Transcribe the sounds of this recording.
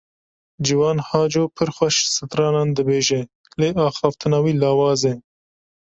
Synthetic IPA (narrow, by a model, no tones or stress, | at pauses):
d͡ʒiwɑːnhɑːd͡ʒoːpʰɨɾxʷɛʃsɨt̪ɾɑːnɑːnd̪ɨbeːʒɛ | leːʔɑːxɑːft̪ʰɨnɑːwiːlɑːwɑːzɛ